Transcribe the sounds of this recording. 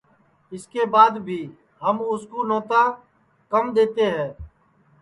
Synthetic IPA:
ɪskeːbaːd̪bʱiː | ɦəmʊskoːnɔːt̪aː | kəmd̪eːt̪eːɦɛ̃ː

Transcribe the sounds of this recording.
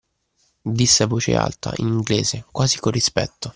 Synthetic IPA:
d̪isːeavoːt͡ʃḛa̰lt̪aʔiniŋɡleːzekwaːzikorːispɛ̰t̪ːo

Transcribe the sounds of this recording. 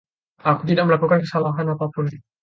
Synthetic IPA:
akut̪idak̚məlakukankəsalaɦanat̪apʊn

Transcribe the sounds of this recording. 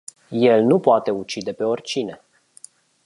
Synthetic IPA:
je̞lnupoat̪e̞ut͡ʃid̪e̞pe̞o̞rʲt͡ʃine̞

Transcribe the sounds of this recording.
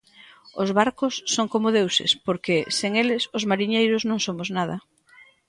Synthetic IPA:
ozβaɾkʊsːoŋkomoðewsɪ̰spoɾkeseŋelɪsʊzmaɾiɲejɾʊznõŋsomʊznað̞ɐ

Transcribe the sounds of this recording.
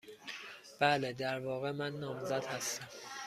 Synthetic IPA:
b̥æːled̪æɾvɒːɣemænːɒːmzæd̪hæst̪æm

